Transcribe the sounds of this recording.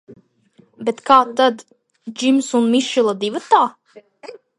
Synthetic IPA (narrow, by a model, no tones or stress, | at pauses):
bet̪kaːt̪ad̪ | d͡ʒimsunmiʃilˠad̪ivat̪aː